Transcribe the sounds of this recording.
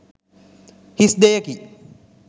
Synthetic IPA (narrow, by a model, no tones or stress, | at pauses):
hisd̪ejɐki